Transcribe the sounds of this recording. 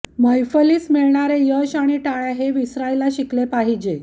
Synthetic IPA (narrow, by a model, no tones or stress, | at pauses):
məjfəliːsmiɭɳaɾejəɕaɽ̃iʈaɭaɦeʋisɾailaɕiklepaɦid͡ʑe